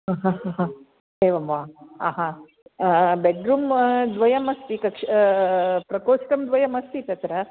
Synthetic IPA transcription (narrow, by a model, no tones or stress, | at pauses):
ɦãɦãɦãɦã | eːʋɐmʋaaːɦã | beɖɾuːmd̪ʋɐjɐmɐst̪ikɐkʂ | pɾɐkoːsʈɐmd̪ʋɐjɐmɐst̪it̪ɐt̪ɾɐ